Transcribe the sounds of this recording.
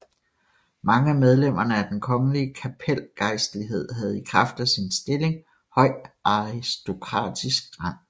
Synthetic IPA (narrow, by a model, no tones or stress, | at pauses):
mɑ̈ŋəæmeð̞ˠlem̰ɐnəæd̥enkʰɒ̽ŋəliəkʰæpʰel̰ɡ̥ɑ̈ɪsd̥əliɦe̝ð̞̰ˠɦæð̞̩ˠikʰʁɑfd̥æsinsd̥e̝le̝ŋ | hɒ̽ɪ̰ʔɑʁisd̥o̝kʰʁɑ̰̈ːd̥isɡ̥̚ʁɑ̈n̰